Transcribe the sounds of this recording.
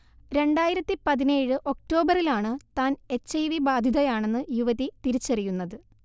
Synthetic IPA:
ɾe̞ɳɖaːjiɾɐt̪ːipɐðineːɻɨʔo̞k̚ʈo̞ːbɐrilaːɳɨt̪aːne̞t͡ɕːɐjʋibaːd̪ʱiðɐjaːɳe̞nːɨjuʋɐðit̪iɾit͡ɕːɐrijunːɐðɨ

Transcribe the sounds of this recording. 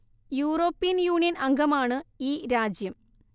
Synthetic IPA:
juːro̞ːpːijɐnjuːɳijɐnɐŋɡʱɐmaːɳɨiːɾaːd͡ʑjɐm

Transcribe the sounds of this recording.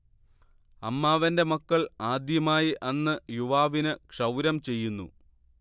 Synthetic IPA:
ɐmːaːʋɐnde̞mukːɐɭaːd̪jɐmaːjiʔɐnːɨjuʋaːʋinɨkʂɐwɾɐmt͡ɕe̞jːunːṵ

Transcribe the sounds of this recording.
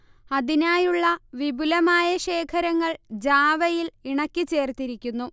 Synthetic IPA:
ɐðinaːjuɭːɐʋibulɐmaːjɐɕe̞ːkʰɐɾɐŋːɐɭd͡ʑaːʋɐjiliɳɐkʲːɨt͡ɕe̞ːrt̪iɾikʲːunːu

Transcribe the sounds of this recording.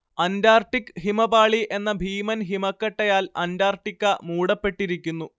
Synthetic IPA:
ɐndaːrʈːikɦimɐbaːɭiʔe̞nːɐbʱiːmɐnɦimɐkːɐʈːɐjaːlɐ̰ndaːrʈikːɐmuːɽɐpːe̞ʈːiɾikʲːunːu

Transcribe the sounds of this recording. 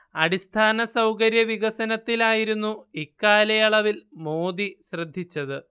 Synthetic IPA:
ɐɽist̪ʰaːnɐsɐwkɐɾjɐʋiɣɐsɐnɐt̪ːilaːjiɾunːuikːaːlɐjɐɭɐʋilmo̞ːd̪iɕrɐd̪ʱːit͡ɕːɐðɨ

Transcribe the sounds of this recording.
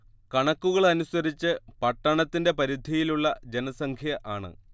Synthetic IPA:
kɐɳɐkːuɣɐɭɐnusɐɾit͡ɕːɨpɐʈːɐɳɐt̪ːinde̞pɐɾid̪ʱijiluɭːɐd͡ʑe̞nɐsɐŋkʰjɐʔaːɳɨ̰

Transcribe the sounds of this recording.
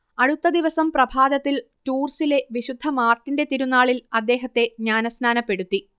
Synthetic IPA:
ɐɽut̪ːɐd̪iʋɐsɐmprɐbʱaːd̪ɐt̪ːil | tuːrsile̞ʋiɕud̪ʱːɐmaːrʈːinde̞t̪iɾunːaːɭilɐd̪ːe̞ːɦɐt̪ːe̞ɲaːnɐsnaːnɐpːe̞ɽut̪ːi

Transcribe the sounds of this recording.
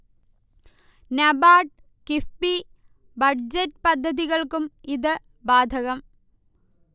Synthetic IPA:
nɐbaːʈ | kifpi | bɐɖd͡ʑɐtːpɐd̪ʱːɐðiɣɐɭkumiðɨ | baːd̪ʱɐɣɐm

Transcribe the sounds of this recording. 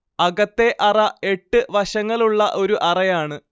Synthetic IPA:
ɐɣɐt̪ːe̞ʔɐrɐe̞ʈːɨʋɐɕɐŋːɐɭuɭːɐʔo̞ɾuʔɐrɐjaːɳɨ

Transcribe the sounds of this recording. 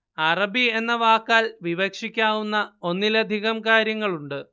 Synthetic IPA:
ɐrɐbie̞nːɐʋaːkːaːlʋiʋɐkʂikʲːaːʋunːɐo̞nːilɐd̪ʱiɣɐmkaːɾjɐŋːɐɭuɳɖɨ

